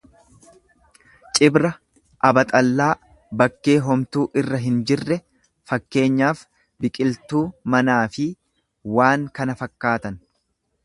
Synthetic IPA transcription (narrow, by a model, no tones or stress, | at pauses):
t͡ʃʼɪbɾɐ | ʔɐbɐt̪ʼɐlːaː | bɐkːe̞ːɦɔmt̪uːʔɪrːɐɦɪnd͡ʒɪrːɛ | fɐkːe̞ːɲːaːf | bɪkʼɪlt̪uːmɐnaːfɪ | waːŋkɐnɐfɐkːaːt̪ɐn